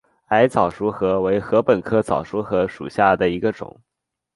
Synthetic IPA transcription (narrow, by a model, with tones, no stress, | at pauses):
a˧˥ɪt͡sɑ˨˩ʊʂu˧˥xɤ˧˥we˧˥ɪxɤ˧˥pə˨˩nkʰɤ˥t͡sɑ˨˩ʊʂu˧˥xɤ˧˥ʂṵ˨˩ɕja˥˩d̪ə˩i˧˥ɡə˧ʈ͡ʂʊ̰˨˩˦ŋ